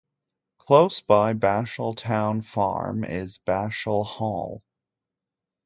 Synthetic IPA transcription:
kʰl̥oʊsb̥aɪbæʃl̩ˠtʰãʊ̃nfɑ̰ɹmɪ̰zbæʃl̩ˠhɔ̰lˠ

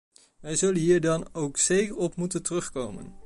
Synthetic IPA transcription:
ʋɛjzɵlənɦiːɹdɑnowksejkəɹɔpmutəntərɵχkowmə̰n

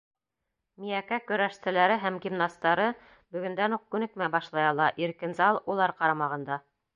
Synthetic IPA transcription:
mijækækɵ̆ɾæʃt̪æ̆læɾɘɦæmɡʲimnɑst̪ɑɾɤ | bɵ̆ɡɵ̆nd̪ænuq̚kʉnɘ̆kmæbɑʃlˠɑjɑlˠɑʔiɾkɘ̆nzɑlˠulˠɑɾqɑɾɑmɑʁɤ̆nd̪ɑ

